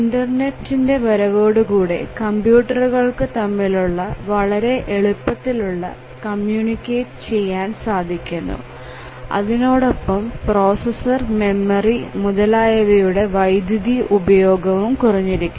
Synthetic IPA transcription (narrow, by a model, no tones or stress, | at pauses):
indɐrne̞ʈːinde̞ʋɐɾɐʋo̞ːɽukuːɽe̞̰kɐmbjuːʈːɐruɣɐɭkɨt̪ɐmːiluɭːɐʋɐɭɐɾe̞ʔeɭupːɐt̪ːiluɭːɐ̰ | kɐmjuːnikʲːeːʈɨ̥t͡ɕe̞jːaːnsaːd̪ʱikʲːunːṵ | ɐ̰ðino̞ːɽopːɐmpro̞ːsɐsɐrme̞mːɐrimuðɐlaːjɐʋɐjuɽe̞ʋɐjd̪ʱjɐðiʔubɐjo̞ːɡɐʋumkurɐɲːiɾikʲːu